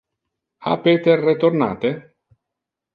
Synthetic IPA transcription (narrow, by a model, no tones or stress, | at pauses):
a̰peːt̪erːet̪orna̰ːt̪e